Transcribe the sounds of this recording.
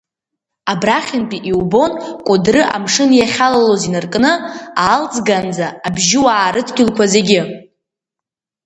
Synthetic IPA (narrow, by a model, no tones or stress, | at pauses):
abraχʲɪnpʼiʔiwbo̞nkʷʼʊdrɨʔa̰mʂɨnjaχʲalalozinɨrkʼnɨaːlt͡sʼɡand͡zaːbʒɪwaːɾɨtʰɡʲɪlkʷʰazeɡʲɪ